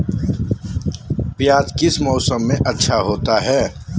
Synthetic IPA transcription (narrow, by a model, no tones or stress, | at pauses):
pjaːd̪kɪsmɔːsəmːẽʔɐtːʃʰaɦoːt̪aɦɛː